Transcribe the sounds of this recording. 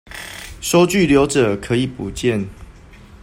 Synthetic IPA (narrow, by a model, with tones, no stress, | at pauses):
ʂo˦ʊt͡ɕy˥˨ljo˨˦ʊʈ͡ʂɤ˨˩kʰɤ˨˦i˨˩pu˨˩t͡ɕjɛ˥˨n